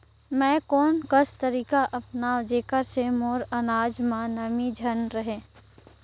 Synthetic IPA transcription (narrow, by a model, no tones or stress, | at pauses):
mɛ̃ːkɔːnkəst̪əɾiːkaʔɐpnaːd͡ʒeːkəɾsemoːɾənaːd͡ʒmãnəmid͡ʒʱənɾəɦẽː